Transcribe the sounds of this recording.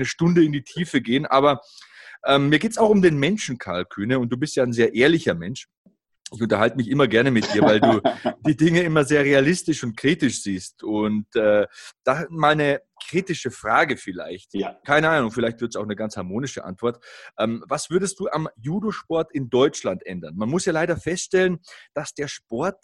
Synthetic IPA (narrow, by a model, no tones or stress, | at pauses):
nəʃtʊndəɪndiːtʰiːfəɡeːənʔa̰ːbɐʔɛːmmiːɐɡeːtsaʊxʊmdeːnmɛnʃn̩kʰa̰ɐlkʰyːnəʊnt̚d̥uːbɪstjaːaɪnzeːɐʔeːɐlɪçɐmɛnʃ | ɪçʊntɐhaltəmɪçʔɪmɐɡɛɐnəmɪt̚d̥iːɐvaɪlduːd̥iːdɪŋəɪmɐzeːɐʁealɪstɪʃʊnt̚kʁ̥iːtɪʃz̥iːstʊntɛːd̥amaːlnə | kʁ̥iːtɪʃəfʁ̥aːɡəfɪla̰ɪçtkʰaɪnəʔaːnʊŋfɪlaɪçtv̥ɪɐtsaʊxnəɡant͡shaɐmoːnɪʃə̰ʔa̰ntv̥ɔɐtʔɛːmvasv̥ʏɐdəst̚d̥uːʔamjuːdoʃpɔɐtɪndɔʏt͡ʃlantʔɛ̰ndɐnmanmʊsjaːlaɪɾɐfɛstʃtɛlənd̥asd̥eːɐʃpɔɐt̚